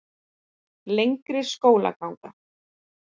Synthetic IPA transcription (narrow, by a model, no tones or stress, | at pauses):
lejŋkɾɪskoːwla̰kawŋka